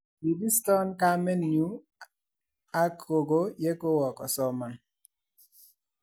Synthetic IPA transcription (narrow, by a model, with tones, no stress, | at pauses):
bi˨bi˦stɔ˦nka˦mɛ˦nju˨˦ | a˦kʰo˨ɡo˦jɛ˦ko˦wɔ˨kɔ˨sɔ˦ma˨n